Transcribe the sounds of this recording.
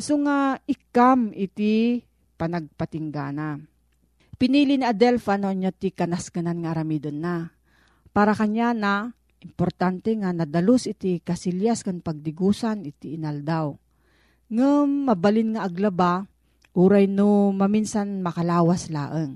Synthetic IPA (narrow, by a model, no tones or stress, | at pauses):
soŋaɪkamʔɪt̪i | pɐnɐɡ̚pɐt̪ɪŋɡa̰ːna | pɪniːliniʔɐd̪ɛlfanoʔaɲjot̪ikɐnaskananŋɐʔːɾɐmid̪onːa | paːɾakɐɲana | ʔɪmpoɾt̪ant̪ɛŋanɐd̪ɐlosʔɪt̪ikɐsiljaskaŋpɐɡ̚d̪ɪɡuːsanɪt̪iːnald̪aw | ŋɨmːɐbɐlɪnŋaʔɐɡlɐba | ʔuːɾajnomɐminsanmɐkɐlaːwasla̰ːʔəŋ